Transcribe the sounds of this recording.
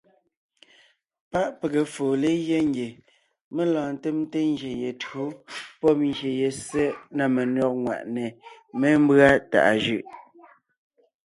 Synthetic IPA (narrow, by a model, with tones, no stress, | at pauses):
pa˦ʔpe˨ɣe˨foː˨le˦je˦ŋ˦ɡje˨ | me˦lɔ̃ː˨n̩˨te˦m˦te˦ŋ˦ɡje˨je˨tɰo˦pɔ˦p̚ŋɡje˨je˨se˦ʔna˨me˨nɔ˦k̚ŋwa̰˨ʔne˨me˦m̩˦bɰa˦ta̰˨ʔa˨ʒʉ˦˨ʔ